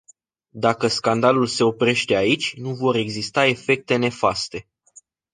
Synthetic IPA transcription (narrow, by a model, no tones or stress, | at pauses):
d̪akəskand̪alulse̞o̞pɾe̞ʃt̪e̞ait͡ʃʲnuvo̞ɾe̞ɡzist̪ae̞fe̞k̚t̪e̞ne̞fast̪e̞